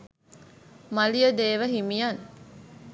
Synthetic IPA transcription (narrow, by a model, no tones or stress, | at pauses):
mɐlijəd̪eːʋəɦimijɐn